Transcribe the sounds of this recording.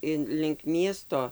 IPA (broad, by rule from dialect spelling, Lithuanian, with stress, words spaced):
ˈɪn lʲɪŋk ˈmʲiɛstoː